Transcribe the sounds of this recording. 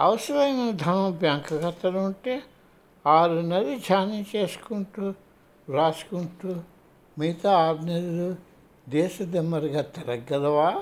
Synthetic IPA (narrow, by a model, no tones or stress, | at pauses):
ɐ̰ʋsɾɐjɐnɐd̪ʱɐnɐmɐbjaːŋkʰɐkɐt̪ːɐluɳʈeː | aːɾunɐdid͡ʒʱaːnit͡ʃeːsu̥kuɳʈu | ɾaːskuɳʈu | miːt̪ɐaːɾnɐdilu | d̪eːʃɐd̪emɐɾɡɐat̪ːɐɾɐɡːɐd̪ɐʋaː